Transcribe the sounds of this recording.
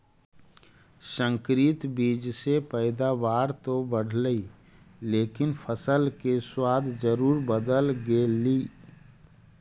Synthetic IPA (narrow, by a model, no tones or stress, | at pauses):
sə̃ŋkɾɪt̪biːd͡ʒsepɛɪd̪aʋaːɾt̪obəɽ̤ləi | leːkɪnpʰəsəlkeswaːd̪ʱd͡ʒəɾuːɾbəd̪əlɡeːliː